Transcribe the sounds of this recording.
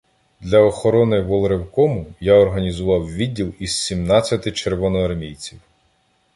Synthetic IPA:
d̪lʲɐɔxɔɾɔnɪʋɔlˠɾewkɔmʊjaɔɾɦɐnʲizʊʋɑwʋʲidʲːilˠiz̥sʲimnɑt͡sʲːɐt̪ɪt͡ʃerʋɔnɔɐrmʲijt͡sʲiw

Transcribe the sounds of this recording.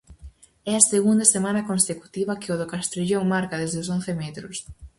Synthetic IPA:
ɛɐseɣund̪asemãnɐkonseku̥t̪iβɐkɪoðokast̪ɾiʎoŋmaɾkaðezðeʊson̟θemɛt̪ɾʊs

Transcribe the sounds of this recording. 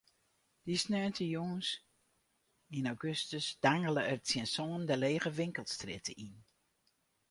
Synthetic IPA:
d̥isnœntʰəjoŋəs | inawɡøstəsd̥aŋələərsjɛnsɔːndəleːɣəʋɪŋkəlˠstrɪtəʔin

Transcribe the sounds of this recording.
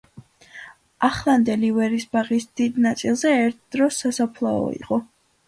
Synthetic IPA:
aχlˠand̪ɛlivɛɾisbaʁisd̪̥id̪nat̪sʼilˠzɛːɾt̪ʰd̪̥ɾɔsːasapʰlˠaɔ̰ḭqʼɔ

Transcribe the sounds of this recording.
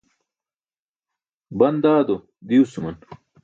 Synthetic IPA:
bɐnd̪aːd̪o | d̪iusumɐn

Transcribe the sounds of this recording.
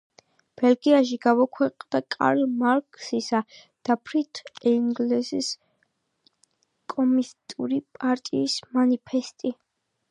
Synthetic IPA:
b̥ɛlɡiaʃ̬iɡamɔkʰwɛqʼd̪akʼa̰ɾmaɾkʼʰsisa | d̪̥apʰɾit̪ʰɛŋɡlɛsis | kʼɔmist̪ʼuɾipʼaɾt̪ʼiːsmanipʰɛst̪ʼi

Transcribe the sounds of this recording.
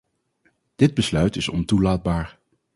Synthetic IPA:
d̥ɪd̚bəslœɥtɪsɔ̰ntulaːd̚baːɹ

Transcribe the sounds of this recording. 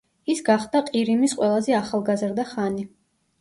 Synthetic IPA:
isɡaχd̪aqʼiɾimisqʼwɛlˠazɛaχalˠɡazɾd̪aχani

